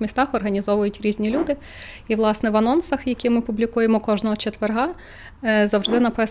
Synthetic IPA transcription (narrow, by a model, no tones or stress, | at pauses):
mʲist̪ɑxɔrɦɐnʲizɔʋʊjʊtʲɾʲizʲnʲilʲud̪ɪ | iʋlˠɑsnɛʋɐnɔnsɐxjɐkʲimɪpublʲikujemɔkɔʒnɔɦɔt͡ʃet̪ʋerɦɑ | zɐwʒd̪ɪnɐpɪs